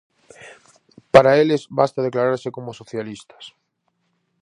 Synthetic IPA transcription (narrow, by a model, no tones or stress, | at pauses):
paɾaelezβast̪að̞eklaɾaɾsekomosoθjalist̪ḁs